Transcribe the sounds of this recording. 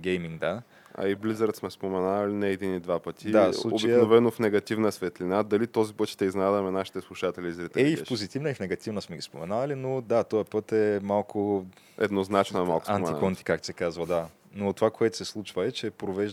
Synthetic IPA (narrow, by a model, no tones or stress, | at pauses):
ɡʲɛjmiŋɡd̪a | ɐ̰iblizəɾət̪smɛspomɛnalinɛːd̪inid̪vapət̪ʲʰid̪afslˠuo̰bt͡ʃijknovɛnofnɛɡɐt̪ivnəsvɛt̪linad̪ɐlit̪ɔzipət̪ʃt̪ɛiznad̪ɐmɛnaʃi̥t̪ɛslˠuʃat̪ɛlʲiːzɾit̪ɛɛifpozit̪ivnəifnɛɡɐt̪ivnəsmɛɡʲispomɛnalinod̪at̪ɔjəpɤt̪ɛmalˠkʰʊ | ɛ̰d̪noznat͡ʃnoɛmalˠko̥sa̰nmɛniakɔnt̪i̥kakt̪sɛkazvɐd̪a | not̪ovakoɛt̪ʊ̥sɛslˠut͡ʃvəɛt͡ʃɛpɾovɛʒ